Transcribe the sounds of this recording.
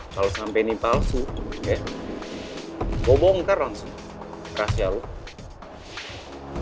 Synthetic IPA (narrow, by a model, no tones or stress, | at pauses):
kalosampɛnipalsuɛ | bɔbɔŋkaraŋsu | rasialu